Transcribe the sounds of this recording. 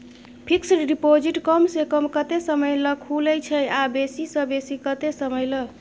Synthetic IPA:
pʰiksɖipod͡ʒiʈkəmsekəmkət̪esəməjləkʰuləjt͡ʃʰəjabesisə̃besikət̪esəməjlə

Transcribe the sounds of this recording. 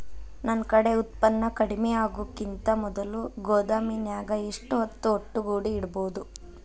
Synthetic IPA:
nɐnkɐɽe̞ut̪̚pɐnːɐkɐɽimɛjaːɡukint̪ɐmɔd̪ɐluɡoːd̪aːminjaːɡɐiʂʈuɦot̪ːuoʈːuɡuːɽiːɽɐboːd̪u

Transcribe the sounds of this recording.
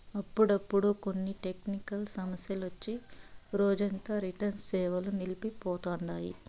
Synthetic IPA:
ɐpːuɽɐpːuɽuko̞nːiʈe̞knikɐlsɐmɐsjɐlʋɐt͡ʃːiɾoːd͡ʒɐnt̪aːɾiʈɐnssɛːʋɐlunilipipɔːt̪oːɳɖaːjḭ

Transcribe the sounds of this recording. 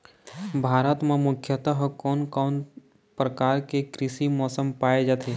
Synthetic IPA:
bʱaːɾət̪mẽmʊkʰjət̪aɦkɔːnkɔːn | pɾəkaːɾkekɾɪsimɔːsəmpaːed͡ʒaːt̪ʰeː

